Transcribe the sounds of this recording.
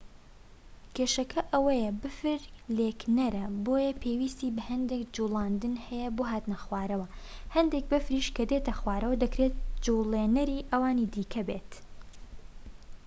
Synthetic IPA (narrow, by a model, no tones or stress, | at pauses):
kʰeːʃɐkʰɐʔɐwɐjɐbɨfɨɾleknɐɾɐboːjɐpʰewiːst̪iːbɐhɐnd̪ekd͡ʒulˠaːnd̪ɨnhɛjɛboːɦaːt̪nɐxwaːɾɐwɐhɐnd̪ek̚bɨfɾiʃkɐd̪et̪ʰɐxwaːɾɐwɐd̪ɐkɾet̪̚d͡ʒulenɐɾiːʔɐwaːnid̪iːkʰɐbeːt̪